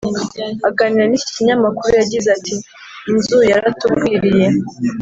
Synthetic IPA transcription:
aɡaːniɾanicciɲamakuɾujaɟizatʰiː | nzujaɾatukwiːɾije̞

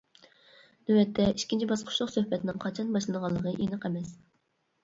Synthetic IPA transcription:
nywɛt̪ʰːɛiʃkʲint͡ʃʰibɑsqʰʊ̥ʃlˠʊqsøhpɛt̪ʰɪnɪŋqʰɑt͡ʃʰɑnbɑʃlˠɨnəʁɑlˠːəʁəʔenɨqɛmɛs

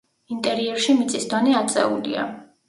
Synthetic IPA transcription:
int̪ʼɛɾiɛɾʃimit̪sʼisd̪ɔnɛat̪sʼɛ̰ulḭa̰

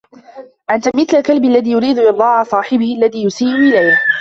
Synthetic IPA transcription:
ʔant̪amɪθlakalbɪalːaðiːjʊɾiːd̪ʊʔɨd̪ˤɑːʕasˤɑːħɪbɪhɪʔalːaðiːjʊsiːlʊʔɪlajh

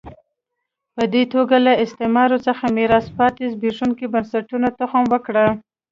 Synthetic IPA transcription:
pəd̪et̪oɡalaɪst̪emɑɾot͡səxamiɾɑspɑt̪ezbeʐuŋkibansaʈunat̪ʊxəmwəkɽə

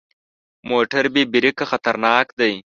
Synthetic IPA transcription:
moʈaɾbebɪɾɪkaxat̪aɾnɑːkd̪aj

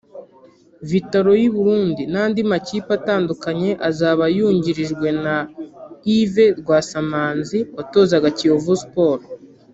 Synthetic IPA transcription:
vitaɾo̞jiβuɾuːndinaːndimaciːpataːndukaɲe̞ʔazaːβajuːɲɟiɾiʒɡwe̞na | ive̞ɾɡwaːsamaːnziwato̞ːzaɡacijovuspoːɾ

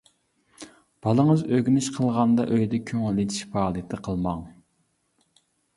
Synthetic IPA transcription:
b̥ɑlˠəŋəzøɡʲynɪʃqʰəlˠʁɑnd̪ɑ̰ʔøjd̪ɛkʲʰøŋɪled̪iʃfɑːlˠət̪ʰɨqʰəlˠmɑŋ

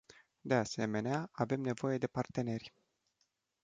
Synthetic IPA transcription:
d̪e̞ase̞me̞neaave̞mne̞vo̞je̞d̪e̞part̪e̞ne̞rʲ

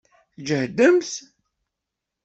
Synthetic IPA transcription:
θd͡ʒəhd̪əmθ

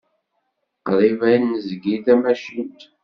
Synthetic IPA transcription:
qðˤivæjnəzɡiθæmæʃint̪

